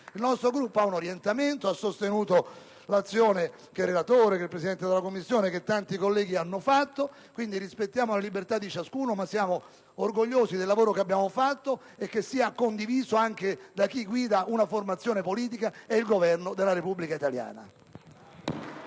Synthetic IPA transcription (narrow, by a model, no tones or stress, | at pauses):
ilnɔst̪ɾoɡɾupːoaunoɾjent̪ament̪oasːost̪enuːt̪o | lat̪sːjoːne | k̟erːelat̪oːɾekelpɾesid̪ɛnt̪ed̪elakomːisːjoːnek̟et̪ːant̪ikolːɛːɡianːofat̪ːo | kwind̪iɾispet̪ːjaːmolalibert̪ad̪ːit͡ʃaskuːnomasːjaːmo | orɡoʎːoːsid̪elːavoːɾokeabjaːmofat̪ːo | ek̟ːesːiːakond̪iviːzoaŋk̟ed̪ak̟ːiɡwiːd̪aʔunaformat̪sːjoːnepoliːt̪̬ikaeilɡovɛrnod̪elːaɾepubːlikait̪alja̰ːna̰